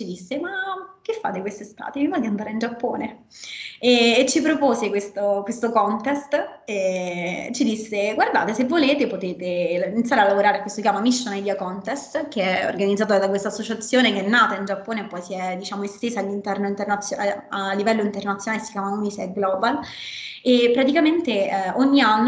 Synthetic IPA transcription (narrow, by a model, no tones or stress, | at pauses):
t͡ʃid̪isːemakːefːa̰ːt̪ekwest̪est̪a̰ːt̪evivɔd̪iand̪aːɾeind͡ʒapːoːne | ɛːt͡ʃːipɾopoːsekwest̪okwest̪okɔnt̪ɛst̪ɛ | t͡ʃid̪isːeɡward̪a̰ːt̪esevːoleːt̪epot̪eːt̪einit̪saɾealːavoɾaːɾeakwest̪okjaːmamiʃːonajd̪iakɔnt̪ɛst̪k̟eɛo̰rɡanid̪zaːt̪d̪akwest̪asːot͡ʃat̪sːjoːnekeɛnːaːt̪aind͡ʒapːoːneːpːɔjsiɛd̪it͡ʃaːmoest̪eːzaːlːint̪ɛrnoint̪ernat̪sːjoaalːivɛlːoint̪ernat̪sjnalesi̥kjaːmaunisɛɡlɔbal | epːɾat̪ikament̪eoɲːianː